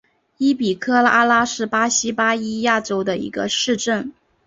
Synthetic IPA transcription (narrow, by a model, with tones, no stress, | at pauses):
i˥pi˨˩kʰɤ˥la˥la˥ʂɻ̩˥˩pa˥ɕi˥pa˥i˥ja˥˩ʈ͡ʂo˥ʊd̪ə˨ḭ˧˥ɡə̰˧ʂɻ̩˥˧ʈ͡ʂə˥˩n